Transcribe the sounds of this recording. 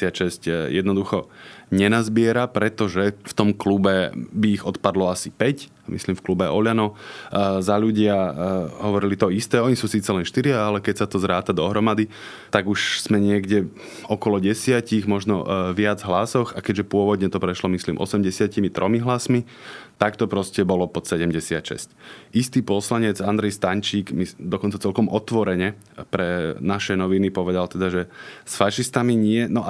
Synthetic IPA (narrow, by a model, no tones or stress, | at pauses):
sɪaʃɛscjɛd̪nɔd̪uxɔɲɛnazbɪɛɾapɾɛt̪ɔʒɛft̪ɔmklubɛbiːɣɔt̪pad̪lɔasipɛc | mḭsliːmfklubɛɔʎanɔ | zaʎuɟɪaɦɔʋɔɾilit̪ɔist̪ɛːɔɲisuːsiːt͡sɛlɛnʃt̪iɾɪaalɛkɛcsat̪ɔzɾaːt̪ad̪ɔɦɾɔmad̪i | t̪aɡuʃz̥mɛɲɪɛɡɟɛ | ɔkɔlɔɟɛsɪaciɣmɔʒnɔ̰ʋɪad͡zɦlasɔxakɛɟʒɛpʊɔʋɔd̪ɲɛt̪ɔpɾɛʃlɔmisliːmʔɔ̰sɛmɟɛsɪacimit̪ɾʔɔmiɦlasmi | t̪akt̪ɔpɾɔscɛbɔlɔpɔt̪sɛɟɛmɟɛsɪa̰cʃɛ̰scist̪iːpɔslaɲɛd͡zand̪ɾɛjst̪aɲt͡ʃiːɡmid̪ɔkɔnt͡sat͡sɛlkɔmʔɔt̪ʋɔɾɛɲɛ | pɾɛnaʃɛnɔʋinipɔʋɛd̪alt̪ɛd̪aʒɛsfaʃist̪amiɲɪɛnɔʔ